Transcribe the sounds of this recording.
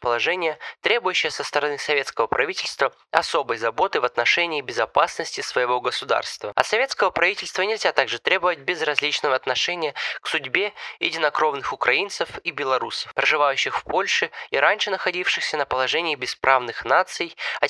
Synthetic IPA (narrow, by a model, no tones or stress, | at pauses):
pəlˠɐʐɛnʲɪjət̪ɾʲe̞bʊjʉɕːɪjəsəst̪əɾɐnɨsɐvʲe̞t̪skəvəpɾʔɐvʲitʲɪlʲst̪və | ɐso̞bəjzɐbo̞t̪ɨvɐt̪nɐʂɛnʲɪːbʲɪzɐpasnəsʲtʲɪsvəjɪvo̞ɡəsʊd̪a̰rst̪və̰ɐ̰sɐvʲe̞t̪skəvəpɾɐvʲitʲɪlʲst̪vənʲɪlʲzʲat̪aɡʐɨt̪ɾʲe̞bəvət̚ʲbʲɪzrɐzʲlʲit͡ɕnəvəɐt̪nɐʂɛnʲɪjəksʊdʲbʲe̞jɪ̰dʲɪnɐkɾo̞vnɨxʊkɾɐinsɨfibʲɪlˠɐɾusə̥fpɾəʐɨvajʉɕːɪxfpo̞lʲʂɨiɾanʲʂɨnəxɐdʲifʂɨxsʲənəpəlˠɐʐɛnʲɪːbʲɪspɾʔavnɨxnat̪sɨjɐ